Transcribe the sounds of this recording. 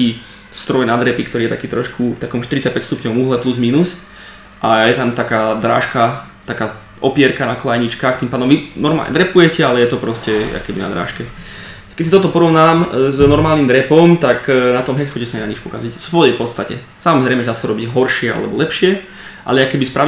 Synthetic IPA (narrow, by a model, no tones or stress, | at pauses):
iː | st̪ɾɔjnad̪ɾɛpikt̪ɔɾiːjɛt̪akiːt̪ɾɔʃkʰuft̪akɔmʃt̪iɾit͡sac̚pɛcst̪upɲɔʋmuːɦlɛpluzmiːnus | ʔajɛt̪amt̪akaːd̪ɾa̰ːʃka | t̪akaː | ʔɔpɪɛɾkanaklajɲit͡ʃkaːxt̪impaːd̪ɔmʋinɔɾma̰lɲɛ̰d̪ɾɛpujɛcɛalɛjɛt̪ɔpɾɔscɛa̰kɛbina̰d̪ɾa̰ːʃkɛ | kɛcsit̪ɔt̪ɔpɔɾɔʋnaːmznɔɾmaːlnimd̪ɾɛpɔmt̪aknat̪ɔmɦɛksfɔcɛsaɲɛnaɲit͡ʃpɔkazicfsʋɔjɛpɔt̪st̪acɛ̰ | samɔzɾɛɪmɛɛd̪aːsaɾɔbiɟɦɔɾʃɪɛa̰lɛbɔlɛpʃɪɛ | ʔa̰lɛakɛbispɾa